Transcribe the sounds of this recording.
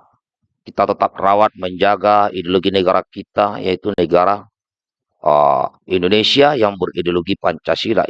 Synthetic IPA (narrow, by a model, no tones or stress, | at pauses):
kit̪at̪ət̪ap̚rawat̪̚məɲd͡ʒaɡaidioloɡinəɡaɾakit̪ajait̪unəɡaɾa | ə̰ | indonesiajaŋbəridioloɡipaɲt͡ʃasila̰